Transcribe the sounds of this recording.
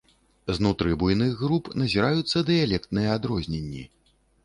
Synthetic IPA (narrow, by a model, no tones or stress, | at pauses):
znut̪ɾɨbujnɨɣːɾupnɐzʲiɾajut̪sːɐd̪ɨjalʲɛk̚t̪nɨjɛad̪ɾɔzʲnʲenʲːḭ